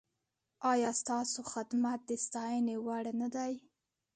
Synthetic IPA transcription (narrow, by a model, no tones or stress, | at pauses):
ɑjɑst̪ɑsoxɪd̪mat̪̚d̪əst̪ɑjənewaɽnad̪aj